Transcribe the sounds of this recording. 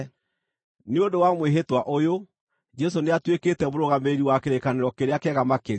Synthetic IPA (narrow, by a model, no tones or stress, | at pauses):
neondowamweɦetwaʔojo | d͡ʒɛs̬oneatweketɛmoɾoɣameɾiwakeɾekaneɾɔkeɾeakɛɣamake